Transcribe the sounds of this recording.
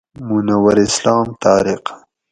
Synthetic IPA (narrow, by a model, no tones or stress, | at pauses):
munawɐɾɪslɑːmt̪ɑːɾɪq